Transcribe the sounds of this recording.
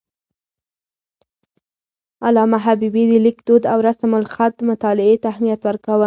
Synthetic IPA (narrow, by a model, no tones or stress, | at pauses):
alɑmaɦabibid̪əlɪkd̪od̪awɾasamʊlxat̪̚mʊt̪ɑlɪet̪aːhmijat̪wəɾkawə